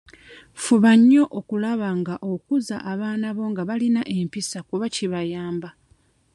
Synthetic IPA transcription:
fuβaɲːo̞ʔokulaβaŋɡaʔokuzaʔːβaːnaβo̞ŋɡaβalinaʔe̞mpisakuβaciβajaːmba

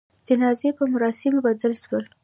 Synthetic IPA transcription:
d͡ʒənɑzepəmʊɾɑsɪmobad̪əlʃwəl

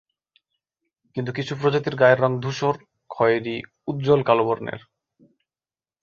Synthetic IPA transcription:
kint̪ukit͡ɕʰupɾod͡ʑat̪iɾɡaeɾːɔŋd̪ʱuʃoɾ | kʰɔeɾi | ud̪̚d͡ʑolkaloboɾnḛɾ

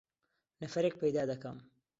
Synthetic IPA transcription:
nɐfɐɾeːk̚pʰɐjd̪aːd̪ɐkɐm

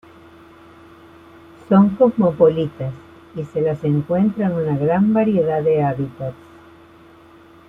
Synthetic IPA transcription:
so̞ŋko̞zmo̞po̞lit̪as | ise̞lase̞ŋkwe̞nt̪ɾanunaɣɾambaɾje̞ðaðe̞aβit̪at̪s

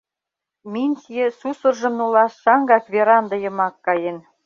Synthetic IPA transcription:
mʲinʲsijesusərʒə̆mnulɑʃʃɑŋɡɑkβeɾɑnd̪ɤ̆jə̆mɑkːɑjen

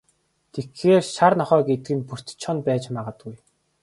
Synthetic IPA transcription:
t̪ʰexːeːrʃarnɔχœːɡet̪ɘ̆ɡɘ̆npur̥t̪t͡ɕʰɔnpæːt͡ɕmaːʁə̆t̪ɡuj

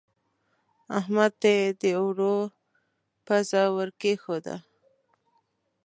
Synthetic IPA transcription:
ahmad̪̚t̪ed̪əwɾo | pazawəɾkexod̪a̰

